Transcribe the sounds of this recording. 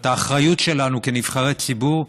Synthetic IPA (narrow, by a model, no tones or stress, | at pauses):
t̪aːχʁajutʃe̞lanukeniv̥χaʁet͡sibuʁ